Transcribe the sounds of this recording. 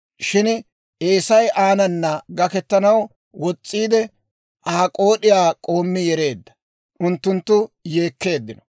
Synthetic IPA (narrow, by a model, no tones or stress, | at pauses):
ʃɪn | ʔeːsɐjʔaːnɐnːɐɡɐkɛt̪ːɐnɐw | wɔt͡sʼːiːd̪ɛ | ʔaːkʼo̞ːɗɪjaːkʼo̞ːmːɪjɛɾe̞ːd̪ːɐ̥ | ʔʊnt̪ːʊnt̪ːʊje̞ːkːe̞ːd̪ːɪnɔ̥